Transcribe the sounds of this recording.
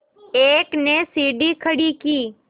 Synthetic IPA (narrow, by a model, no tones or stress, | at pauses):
eːknesiːɖikʰəɽikiː